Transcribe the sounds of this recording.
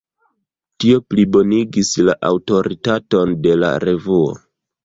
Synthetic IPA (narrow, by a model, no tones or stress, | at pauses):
tio̞plibo̞niɡislaʔawto̞ɾitato̞nde̞la̰ɾe̞vuo̰